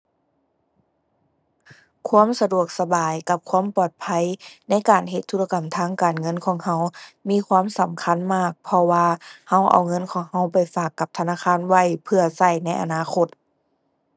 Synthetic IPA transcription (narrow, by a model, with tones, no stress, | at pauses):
kʰu˧˥ə˨msa˧du˨˩ək̚sa˧baː˨˩jka˧˦p̚kʰuː˧˥˨mpɔː˨˩t̪̚pʰa˧˥˨jna˧˥˨jkaː˨˩nɦe˧t̪ʰːuː˧˥la˧ka˨˩mt̪ʰaː˧˥˨ŋkaː˨˩nŋɤ˧˥˨nkʰɔː˨˩˦ŋha˧˥˨wmiː˧˥˨kʰwaː˧˥˨msa˨˦mkʰa˧˥˨nmaː˧˥˩k̚pʰɔ˧waː˧ha˧˥˩wʔa̰˨˩wŋɤ˧˥˨nkʰɔː˨˦ŋha˧˥˩wpa˨jfaː˨˩kːa˧˦p̚t̪ʰa˧naː˧˥˨kʰaː˧˥˨nwa˧˩˨jpʰɯ˧ɐsa˧˩jna˧˥jʔa̰˨˩naː˧˥˨xʰo˧˥t̪̚